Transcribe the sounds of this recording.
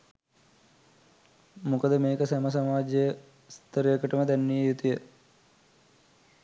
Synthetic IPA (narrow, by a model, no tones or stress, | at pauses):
mukəd̪əmeːkəsaməs̬ɐmaːd͡ʒjə | st̪əɾjəkəʈəməd̪ænːijəjut̪ijə